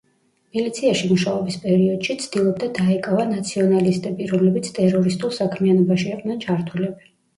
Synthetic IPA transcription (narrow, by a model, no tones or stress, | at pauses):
milit̪sʰiaʃimuʃaɔbispʼɛɾiɔd̪̥ʃit̪sʰd̪̥ilˠɔb̚d̪ad̪aɛkʼavanat̪sʰiɔnalist̪ʼɛbiɾɔmlɛbit̪sʰt̪ʼɛɾɔɾist̪ʼulˠsakʰmianɔbaʃiaqʼd̪nɛnt͡ʃʰaɾt̪ʰulɛbi